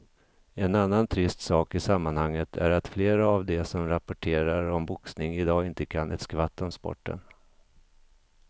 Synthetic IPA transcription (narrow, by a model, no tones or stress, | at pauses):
ɛnanːant̪ʰɾɪst̪sɑːkɪsamːanhaŋːət̪ʰæ̰ɾat̪fleːɾaːvd̪ɛsɔmɾapʊʈʰeːɾaɾɔmbʊksnɪŋɪd̪ɑːɪnt̪əkʰanʔɛ̰t̪skvat̪ːɔmspɔ̰ʈːə̰n